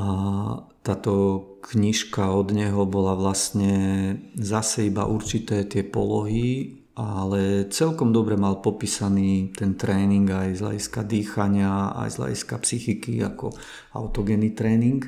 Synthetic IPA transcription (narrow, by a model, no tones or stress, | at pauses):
at̪aːt̪ɔkɲiʃkaɔd̪ɲɛɦɔbɔlaʋlast̪ɲɛ | zasɛiba̰ʔuɾt͡ʃit̪ɛːt̪ɪɛpɔ̰lɔɦi | ʔalɛt͡sɛlkɔmd̪ɔbɾɛmalpɔpiːsaniːt̪ɛnt̪ɾɛːniŋɡajzʎa̰ɟiskad̪iːxaɲɪaa̰jzʎa̰ɟiskapsixikia̰kɔ̰ | a̰ʊt̪ɔɡɛnit̪ɾɛːniŋk